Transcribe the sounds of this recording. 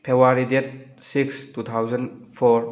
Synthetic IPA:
pʰewaɾidet̚ | sikstut̪ʰawzɐnpʰɔɾ

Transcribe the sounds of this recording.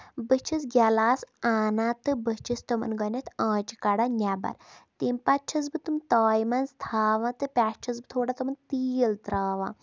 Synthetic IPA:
bət͡ʃʰis̬ɡʲalaːsaːnaːt̪ɨbət͡ʃʰist̪ɔmɐ̰nɡɐnʲet̪ʰãːt͡ʃikaɽanʲaba̰ɾt̪impat͡ʃʰɐsbɨt̪umt̪aːjmanzt̪ʰaːʋãːt̪ɨpʲaːst͡ʃʰɐs̬bɨt̪ʰoːɽat̪ɔmɐnt̪iːəlt̪ɾaːʋã̰ː

